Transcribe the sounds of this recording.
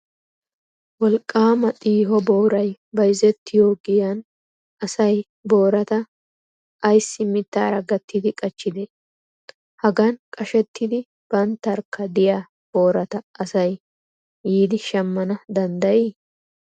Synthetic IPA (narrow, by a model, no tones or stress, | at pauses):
wɔlkʼːaːmɐt̪ʼiːɦɔbo̞ːɾɐjbɐɪzɛt̪ʰːɪjoːɡɪjɐn | ɐsɐj | bo̞ːɾɐt̪ɐ | ɐjsːɪmɪt̪ːa̰ːɾɐɡɐt̪ʰːɪd̪ɪkʼɐt͡ʃːɪd̪e | hɐɡɐnkʼɐʃɛt̪ʰːɪd̪ɪ | b̥ɐnt̪ːɐɾkːɐd̪ɪjaː | b̥o̞ːɾɐt̪ɐːsɐjː | iːd̪ɪʃɐmːɐnɐd̪ɐnd̪ɐjiː